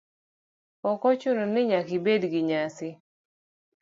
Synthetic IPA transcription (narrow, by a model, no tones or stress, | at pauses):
ɔkɔt͡ʃʊnonɪɲakɪbedɡɪɲasɪ